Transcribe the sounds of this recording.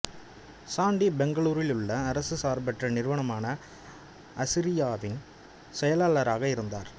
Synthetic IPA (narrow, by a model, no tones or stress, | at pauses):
saːɳɖibɛŋɡɐɭuːɾɪlɯɭːɐːɾɐsɯsaːɾbɐʈrɐnɪɾɯʋɐɳɐmaːnɐ | ʔɐsɪɾɪjaːʋɪn | sɛjɐlaːɭɐɾaːɣɐɪɾɯnd̪aːɾ